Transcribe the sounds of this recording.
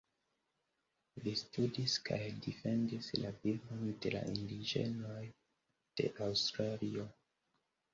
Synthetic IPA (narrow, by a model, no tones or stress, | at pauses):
listudiska̰jdife̞ndislabilbonde̞la̰ʔindid͡ʒe̞̰no̞j | d̥e̞̰ʔawstɾalio